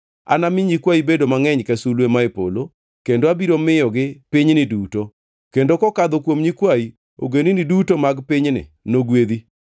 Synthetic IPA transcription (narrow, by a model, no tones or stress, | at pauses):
a̰namɪɲikwaibedomaŋɛɲkɛsulwemaepo̰lo | kendoabiɾomɪjɔɡɪpɪɲnɪduto | kendokɔkad̪okwomɲikwai | o̰ɡeninɪdutomaɡpɪɲnɪ̰ | noɡwed̪i